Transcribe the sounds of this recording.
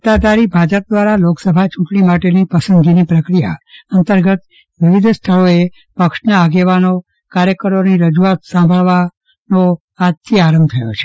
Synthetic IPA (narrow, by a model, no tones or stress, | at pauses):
t̪ad̪aɾibʱad͡ʒəp̚d̪ʋaɾaloksəbʱat͡ʃũʈɳimaʈenipəsənd̪ɡinipɾəkɾija̰ənt̪əɾɡət̪ | ʋɪʋid̪ʱst̪ʰəɭoe | pəkʂnaːɡeʋano | kaɾjəkəɾoniɾəd͡ʒuat̪sãmbʱəɭʋa | no | at̪ʰiaɾəmb̚t̪ʰəjo̰t͡ʃʰe̥